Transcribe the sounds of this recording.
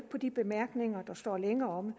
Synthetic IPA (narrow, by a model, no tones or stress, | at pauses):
pʰɒ̽d̥ib̥e̝mæɐɡ̥ne̝ŋɐd̥ɑ̈sd̥ɒ̰ːleŋɐɒ̽m